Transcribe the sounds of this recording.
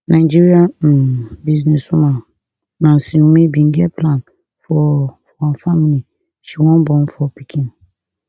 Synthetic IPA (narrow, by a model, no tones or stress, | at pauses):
nʔãd͡ʒiɾia | biznɛ̃sũmã | nãn̩sĩm̃mẽbĩŋɡɛpʰlãn | fɔfɔãfamili | ʃiwɔ̃nbɔ̃nfɔpʰikʰĩn